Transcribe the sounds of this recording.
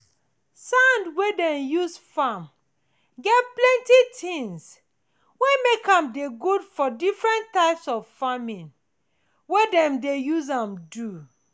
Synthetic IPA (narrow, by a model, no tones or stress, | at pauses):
sãndwedɛ̃njusfam | ɡɛtplɛ̃ntitʰĩŋs | wemekãmdeɡudfɔdifɹɛ̃ntːaɪpsɔvfamĩn | wedɛ̃mdejuzãmdu